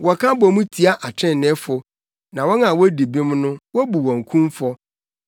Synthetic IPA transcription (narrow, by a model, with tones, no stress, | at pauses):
wɔ˨kʰã˦bɔ˨mũ˦tʰi˨a˦ʔa˨t͡ɕʰɛ̃˦n˨nɛ̃˦fʊ˨ | nã˨wɔ˦nã˨wɔ˦di˨bĩ˦mnʊ̃˦wɔ˦bu˨wɔ̃˨ŋ˨kʰũ˦mfɔ˦